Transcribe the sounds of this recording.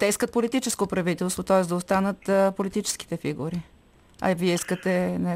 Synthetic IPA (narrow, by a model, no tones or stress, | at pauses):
t̪ɛiskət̪̚polit̪it͡ʃɛskopɾɐvit̪ɛlˠst̪vot̪ɔɛsd̪ɐost̪anət̪polit̪it͡ʃɛ̥sk̟i̥t̪ɛfiɡuɾi | ɐ̰viɛiskət̪ɛnɛ